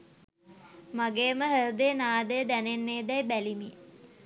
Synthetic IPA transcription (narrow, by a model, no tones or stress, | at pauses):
maɡeːməɦəɾəd̪əjənaːd̪əjəd̪ænenːeːd̪ɛjbælimi